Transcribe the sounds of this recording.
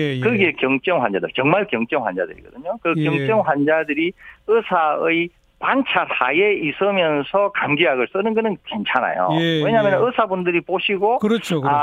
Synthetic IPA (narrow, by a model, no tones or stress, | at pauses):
kɯɡe̞kjʌŋt͡ɕ͈ʌŋɸwand͡ʑadɯɭkjʌŋmaɭkjʌŋt͡ɕ͈ʌŋhwand͡ʑa̰dɯɾḭɡʌ̰dɯɲokɯkjʌŋt͡ɕ͈ʌŋɸwand͡ʑadɯɾiɯsʰaɯj | pant͡ɕʰasʰa̰jeisʰɯmjʌnsʰʌkamɡiɦaɡɯɭs͈ɯnɯnɡɯnɯnke̞nt͡ɕʰana̰jo̰we̞ɲamjʌnnɯsʰabundɯɾipoɕʰiɡokɯɾʌt͡ɕʰo